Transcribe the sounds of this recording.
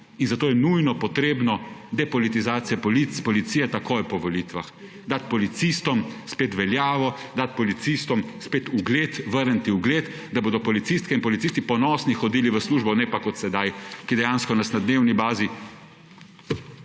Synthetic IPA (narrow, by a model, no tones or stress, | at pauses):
inzat̪oːjɛnujnɔpɔt̪ɾeːbnɔd̪ɛpɔlit̪izaːt̪sijɛpɔlit̪spɔlit̪sijɛt̪akoːjpɔʋɔliːt̪ʋa̰x | d̪at̪pɔlit̪sist̪ɔmspeːt̪ʋɛljaːʋɔ | d̪at̪̚pɔlit̪sist̪ɔmspeːt̪uɡleːt̪ʋəɾnt̪iuɡleːt̪ | d̪aboːd̪ɔpɔlit̪sist̪kɛinpɔlit̪sist̪ipɔnɔːsnixɔd̪iːliʋəsluːʒbɔnɛpakɔt̪sɛd̪ajkid̪ɛjaːnskɔnasnad̪neːwnibaːzi